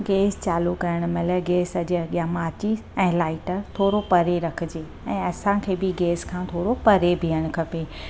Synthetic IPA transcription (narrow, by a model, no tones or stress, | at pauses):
ɡeːst͡ɕaːlukɐɾəɽ̃ʊ̆mɐləɡeːsɐʄɐɠɪjamaːt͡ɕi | ɛ̃ːlaːɪʈəɾt̪ʰoːɾopɐɾeɾɐkʰɪd͡ʑeː | ɛ̃ːɐsãkʰeːbɪɡeːskʰãːt̪ʰoːɾopɐɾebʱijəɽ̃ʊ̆kʰɐpeː